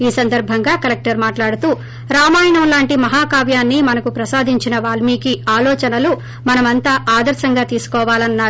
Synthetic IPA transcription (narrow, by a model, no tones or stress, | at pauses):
iːsɐnd̪ɐɾbʱɐŋɡaːkɐlek̚ʈɐɾmaːʈlaːɽut̪uː | ɾaːmaːjɳɐmlaːɳʈimɐɦaːkaːʋjaːnːimɐnɐkupɾɐsaːd̪ʱiɲt͡ʃinɐʋaːlmiːkiaːlɔːt͡ʃɐnɐlu | mɐnɐmɐnt̪aːʔaːd̪ɐɾsɐŋɡaːt̪iːsu̥kɔːʋaːlɐnːaː